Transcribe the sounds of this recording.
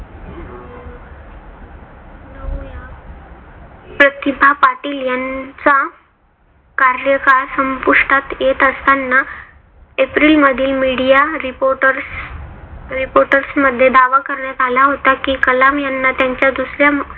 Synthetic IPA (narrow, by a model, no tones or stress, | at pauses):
nəja | pɾət̪ibʱapaʈiːljant͡sa | kaɾjəkaɾsəmpuʂʈʰat̪jet̪əst̪anːa | epɾiːlməd̪ʱiːlmiɽijaɾipoʈəɾs | ɾipoɾʈəɾsməd̪ʱːjed̪aʋakəɾɳjad͡z̪ʱalaɦot̪akiːkəlamjanːat̪jaɲt͡ɕjad̪usɾja